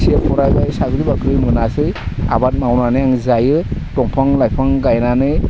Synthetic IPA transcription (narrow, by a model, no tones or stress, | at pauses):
siapʰɔɾajbajsaɡɯɾibakɾɯmɯnasɯja̰bat̚mawnanɯjaŋzajɯtɔŋpʰaŋlajpʰaŋɡajnanɯ